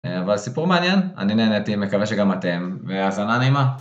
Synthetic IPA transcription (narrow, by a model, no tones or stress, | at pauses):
avalsipuʁmeanjena̰nineːnetimekave̞ʃeɡamate̞mveazananeima